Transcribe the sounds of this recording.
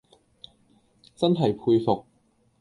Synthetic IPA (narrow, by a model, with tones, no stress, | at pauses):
t͡sɐ˥nɦɐ˨˩jpʰuː˧jfʊ˨˩k̚